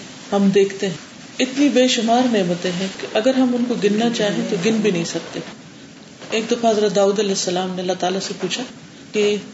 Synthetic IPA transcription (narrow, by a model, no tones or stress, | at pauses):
hɐmd̪eːkʰt̪eɦɛ̃ | ɪt̪nibeːʃʊmaːɾneːmət̪ẽɦɛ̃kiʔɐɡəɾɦɐmʊnkoɡɪnːat͡ʃaːɦẽt̪oɡɪnbʱinɐɦĩsɐk̚t̪e | eːk̚d̪ɐfaɦɐzɾad̪aːuːd̪ɐlɛːsːɐlaːmneɐlːaɦt̪aːlasepuːt͡ʃʰa | ke